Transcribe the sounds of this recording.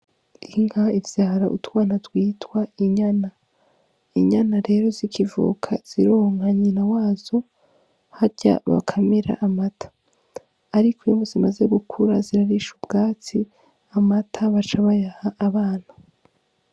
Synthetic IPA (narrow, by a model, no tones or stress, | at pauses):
iŋɡaivjaːɾaʔṵtuwaːnatɡwiːtwaiɲana | iɲanaɾe̞ːɾo̞zikʰivṵkʰa̰z̥iɾoŋhaɲinawaːz̥o̞ | haɾɟa̰βa̰kʰameɾa̰ʔamatʰḁː | ɾikʰojumozimaze̞ɡukʰuɾaziɾaɾiʃubɡaːt͡si | amatʰaβat͡ʃaβajahaʔːβaːn̥hḁ